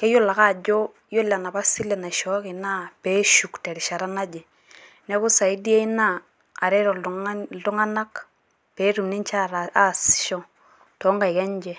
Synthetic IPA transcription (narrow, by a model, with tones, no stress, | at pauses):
kɛ˦jo˦la˨ka˦˨d͡ʒo˦ | jo˦la˨na˨ba˦si˦lɛ˨na˨ʃɔ˦kɪ˨na˦pe˦ʃu˨ktɛ˨ɾi˨ʃa˨ɾa˦na˦d͡ʒɛ˨ | nɛ˦kʊ˦sa˨i˦di˦e˦i˦naː˦˨ | ɾɛ˦ɾɔ˨˦tʊ˦ŋa˦na˦k | pe˨˦tu˨mni˦nt͡ʃa˦ɾa˦sʃɔ˦ | tɔ˨˦ŋɡa˨i˨kɛ˦ɲd͡ʒɛ˨